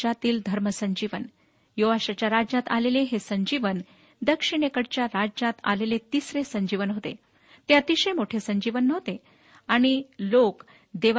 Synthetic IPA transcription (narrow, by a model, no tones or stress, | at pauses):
at̪iːld̪ʱəɾməsəɲd͡ʑiʋən | joʋaɕat͡ɕjaɾad͡ʑat̪a̰leleɦesəɲd͡ʑiʋən | d̪əkʂiɳ̃ekəɽt͡ɕjaɾad͡ʑat̪a̰lelet̪isɾesəɲd͡ʑiʋənɦot̪ḛ | t̪eat̪iɕemoʈʰesəɲd͡ʑiʋənːəʋt̪e | aɽ̃ilok | d̪eʋ